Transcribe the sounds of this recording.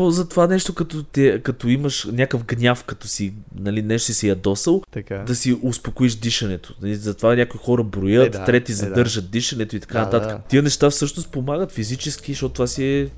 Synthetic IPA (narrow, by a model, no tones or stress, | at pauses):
ozɐt̪ovanɛʃt̪okɐt̪ɔt̪ɛkɐt̪ɔiməʃnʲakəvɡnʲafkɐt̪ɔsinɐlinɛʃt̪sɛjɐd̪ɔsəlˠkad̪ɐsiʔʊspokoiʃd̪iʃɐnɛt̪o̥nɐlizɐt̪ovanʲakoixɔɾəbɾojət̪t̪ːɾɛt̪izɐd̪ɤɾʒət̪̚d̪iʃɐnɛt̪oit̪ɐ̥kanɐt̪at̪əkət̪ijənɛʃt̪afsɤʃnʊst̪̚pomaɡət̪fizit͡ʃɛsk̟iʃt̪ɔt̪t̪ovasiɛ